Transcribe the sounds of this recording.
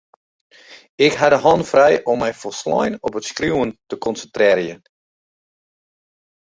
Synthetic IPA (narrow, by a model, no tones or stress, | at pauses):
ɪkɦadəɦɔnfrɛjʔɔmːɛjfɔslɔ̰jnɔpətskruwəntəkɔnsəntrɪəɾjə